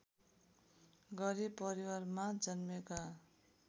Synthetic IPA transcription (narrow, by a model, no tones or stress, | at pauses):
ɡʌɾibpʌɾiwarmad͡zʌnmeka